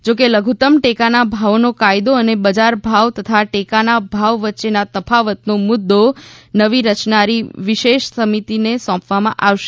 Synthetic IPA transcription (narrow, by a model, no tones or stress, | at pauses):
d͡ʒok̬eləɡʱut̪əmʈekanabʱaʋnokajd̪oənebəd͡ʒaɾbʱaʋt̪ət̪ʰaʈekanabʱaʋʋətːʃenat̪əpʰaʋət̪nomʊd̪ːonəʋiɾət͡ʃnaɾiʋiʃeʃsəmit̪inesɔ̃pʋamãʔaʋʃe̥